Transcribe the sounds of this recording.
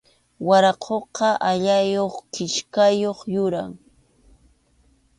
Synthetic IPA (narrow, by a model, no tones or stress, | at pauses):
waɾɑqʰoqɑʔaʎajoχkɪʃkajoχjʊɾaŋ